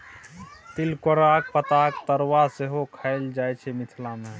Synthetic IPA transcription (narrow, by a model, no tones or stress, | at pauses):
t̪ɪlkoɾaːk̚pət̪aːkt̪əɾwaseɦokʰəɪld͡ʒaːjt͡ʃʰemɪt̪ʰlamẽ